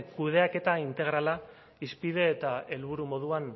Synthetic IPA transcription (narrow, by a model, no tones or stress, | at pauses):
kuð̞e̞ake̞t̪aint̪e̞ɣ̞ɾala | ispið̞e̞ːt̪ae̞lβ̞uɾumo̞ðuan